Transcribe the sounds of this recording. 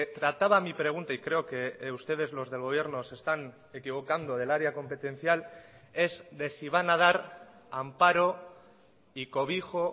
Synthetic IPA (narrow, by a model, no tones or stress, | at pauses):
t̪ɾat̪aβamipɾe̞ɣ̞unt̪aikɾe̞oke̞ust̪e̞ð̞e̞zlo̞zð̞e̞lɣo̞β̞je̞ɾno̞se̞st̪an | e̞kiβ̞o̞kand̪o̞ðe̞laɾeako̞mpe̞t̪ẽ̞n̟θjal | e̞zd̪e̞siβ̞anað̞aɾ | ampaɾo̞ | iko̞β̞ixo̞